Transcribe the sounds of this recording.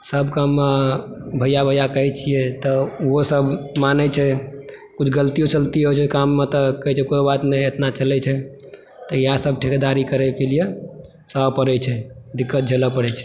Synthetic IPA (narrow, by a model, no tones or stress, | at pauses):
səbkamːe | bʱəjabʱəjakəɦɛt͡ʃʰijɛt̪ɔuɦosəbmanɛt͡ʃʰɛkut͡ʃʰɡəlt̪ijot͡ʃəlt̪iɦot͡ʃʰɛkamːet̪ɔkəɦɛt͡ʃʰɛkojobat̪nɛet̪nat͡ʃəlɛt͡ʃʰɛ | t̪ɔjasəb̚ʈʰikd̪aɾikəɾɛkelije | səpəɾɛt͡ʃʰɛd̪ikːət̪̚d͡ʒʱeləpəɾɛt͡ʃʰɛ̥